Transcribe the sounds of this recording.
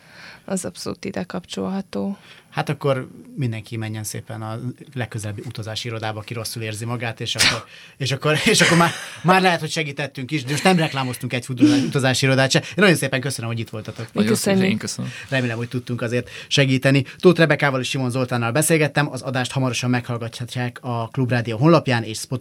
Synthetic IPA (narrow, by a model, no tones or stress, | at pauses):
ɒzɒpso̰lṵːt̪id̪ɛkɒpt͡ʃo̰lɦɒt̪oːhat̪ɒkːo̞rmind̪ɛŋkimɛɲːɛnsḛːpɛnɒlɛkːøzɛlɛbiut̪ɒzaːʃiɾo̞d̪aːbɒːkiɾo̞sːuleːrzimɒɡaːt̪eːʃɒkːo | eːʃɒkːoɾeːʃɒkːo̞rmaːmaːrlɛɦɛt̪ho̞cʃɛɡiːt̪ɛt̪ːyŋkiʃd̪ɛmo̞ʃt̪nɛmrɛklaːmo̞st̪uŋkɛcfut̪ːʃut̪ɒzaːʃiiɾo̞d̪aːt̪ʃɛeːnɒjonseːpɛŋkøsønømhoɟit̪ʋo̞lt̪ɒt̪oksɲk̪rɛmeːlɛmho̞c̚ʲt̪ut̪ːuŋkɒzeːrt̪ʃɛɡiːt̪ɛnit̪oːt̪rɛbɛkaːvɒliʃʃimo̞nzo̞lt̪aːnːɒlbɛseːlɡɛt̪ːɛmɒzɒd̪aːʃt̪hɒmɒɾo̞ʃɒmːɛkhɒlɡɒcːhacːaːkɒklubraːd̪ijoːɦonlɒpjaːneːʃspot̪